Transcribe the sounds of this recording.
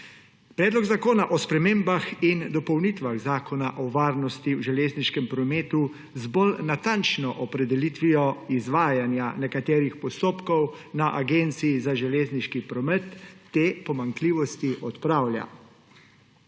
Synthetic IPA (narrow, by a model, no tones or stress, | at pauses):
pɾɛːd̪lɔɡzakoːnaʔɔspɾɛmeːmbaxind̪ɔpɔwnit̪ʋaɣzaːkɔnaʔɔʋaːɾnɔst̪iwʒɛleːzniʃkɛmpɾɔmeːt̪u | zbɔlnat̪ant͡ʃnɔʔɔpɾɛd̪ɛlit̪ʋijɔizʋaːjanjanɛkat̪ɛːɾixpɔst̪oːpkɔw | naʔaɡeːnt̪siːzaʒɛleːzniʃkipɾɔmɛt̪ːeːpɔmaŋkliːʋɔst̪iʔɔt̪pɾaːwlja̰